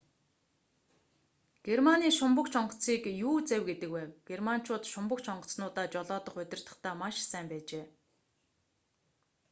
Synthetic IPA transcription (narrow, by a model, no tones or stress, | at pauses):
ɡ̥ermaniːʃʊmpə̆kt͡ɕʰɔɴɢɞ̆t͡siːkjuːt͡sæwɡet̪ɘ̆kwæːwɡ̥erman̥t͡ɕʊːt̪ʃʊmpə̆kt͡ɕʰɔɴɢɞ̆t͡snʊːt̪aːt͡ɕɔɮɔːt̪ɞ̆χɵt̪ʲɪ̆r̥t̪ə̆χt̪æːmaʃsæːmpæːt͡ɕeː